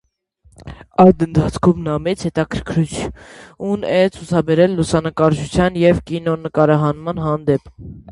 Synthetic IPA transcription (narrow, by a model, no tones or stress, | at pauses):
ɑjd̪ənt̪ʰɑt͡sʰkʰumnɑmɛt͡sʰhɛt̪ɑkʰəɾkʰɾut͡ʃʰunɛt͡sʰut͡sʰɑbɛɾɛlːusɑnəkɑɾʒut͡sʰjɑnjɛvkinɔnəkɑɾɑɦɑnmɑnɦɑnd̪ɛp